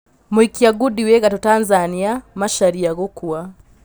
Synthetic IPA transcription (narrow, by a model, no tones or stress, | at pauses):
muikiaɡudiwɛɣatutanzaniamaʃaɾiaɣɔkua